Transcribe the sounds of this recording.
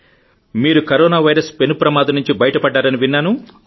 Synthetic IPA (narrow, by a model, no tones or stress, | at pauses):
miːɾukɐɾɔːnaːʋɐjɾɐspe̞nupɾɐmaːd̪ɐnːuɲt͡ʃibɐjɐʈɐpɐɖːaːɾɐniʋinːaːnu